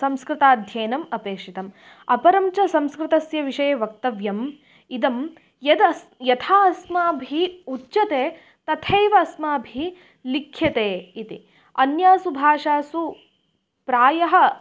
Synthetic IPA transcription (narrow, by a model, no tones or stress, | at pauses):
sɐmskɾɪt̪aːd̪ʱjɐːnɐmɐpeːkʂit̪ɐm | ɐpɐɾɐmt͡ʃɐsɐmskɾɪt̪ɐsjɐʋiʂɐjɐʋɐk̚t̪ɐʋjɐm | id̪ɐm | jɐd̪ɐjɐt̪ʰaːɐsmaːbʱiutːʃɐt̪eː | t̪ɐt̪ʰeːʋɐɐsmaːbʱi | likʰːjɐt̪eːit̪i | ɐnjaːsubʱaːʃaːsu | pɾaːjɐɦɐ